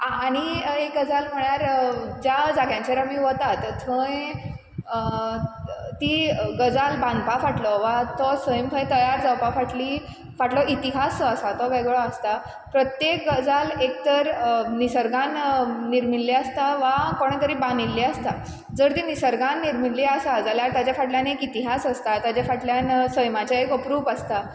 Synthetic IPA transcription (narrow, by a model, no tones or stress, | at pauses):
aːɽ̃iekɡəd͡zalm̤əɳjaɾd͡ʑad͡zaɡjãɲt͡ɕeɾamiʋɔt̪at̪t̪ʰə̃j | t̪iːɡəd͡zalbãnd̪pafaʈlɔʋat̪ɔsəjimpʰəjt̪əjaɾd͡zawpafaʈli | faʈlɔʔit̪iɦasəsat̪ɔkajɡoɭɔast̪a | pɾət̪jekɡəd͡zalek̚t̪əɾnisəɾɡanniɾmilːiast̪aʋakəɳt̪əɾiːbãnilːiast̪a | d͡zəɾt̪inisəɾɡanːiɾmilːiasad͡zaljaɾt̪jat͡ɕjafaʈljanekit̪iɦasəst̪at̪jat͡ɕjafaʈljansəjmat͡ɕjaekəpɾuːbast̪a